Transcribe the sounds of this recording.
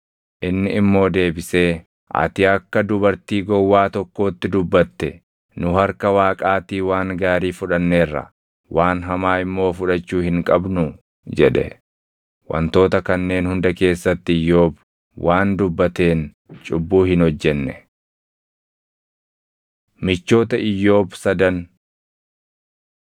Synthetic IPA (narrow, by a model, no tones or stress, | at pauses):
ʔɪnːɪɪmːo̞ːd̪e̞ːbɪseː | ʔɐ̰t̪ɪɐkːɐd̪ʊbɐɾt̪iːɡɔwːaːt̪ɔkːo̞ːt̪ːɪd̪ʊbːɐt̪ːɛ | nʊɦɐɾkɐwaːkʼaːt̪iːwaːŋɡaːɾiːfʊᶑɐnːe̞ːrːɐ̰ | waːnɦɐmaːɪmːo̞ːfʊᶑɐt͡ʃːuːhɪŋkʼɐbnʊ | d͡ʒɛᶑɛ̰ | wɐ̰nt̪o̞ːt̪ɐkɐnːe̞ːnhʊnd̪ɐke̞ːsːɐt̪ːɪɪjːo̞ːb | wʔaːnd̪ʊbːɐt̪e̞ːn | t͡ʃʼʊbːuːhɪnhɔd͡ʒːɛnːɛ | mɪt͡ʃːo̞ːt̪ɐʔɪjːo̞ːbsɐd̪ɐn